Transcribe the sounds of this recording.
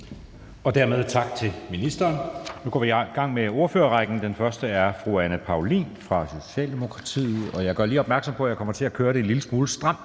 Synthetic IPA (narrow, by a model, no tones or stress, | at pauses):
ɒ̽d̥æɐ̰með̞ˠt͡sʰɑ̈ɡ̥̚t͡sʰe̝minisd̥ɐːnnuɡ̥ʰɒ̰ʋiɡ̥ɑ̈ŋ̰meo̝ɐføːɐʁɑ̈ɡ̥n̩d̥enfɶɐsd̥əæɐfʁuænəpʰɑ̈ʊlḭːnfʁɑ̈so̝ɕɛ̰ːld̥e̝mo̝kʰʁɑ̈t͡sʰḭːð̩ˠɒ̽jɑ̈ɪɡ̥ɶɐliːɒb̥mæɐɡ̥sɒ̽mpʰɒ̽æjɑ̈ɪkɒ̽m̰ɐt͡sʰe̝lækʰøːɐɾ̥e̝nliləsmuːləsd̥ʁɑ̈m̰